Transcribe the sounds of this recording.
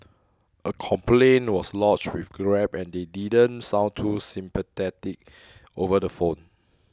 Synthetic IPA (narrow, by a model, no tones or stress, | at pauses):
ʔəkʰɔ̃mplẽnwɔslɔt͡ʃwifɡɹɛpɛ̃ndedidə̃nsãʊ̃ntʰusĩmpət̪ɛtik̚ | ovədəfõn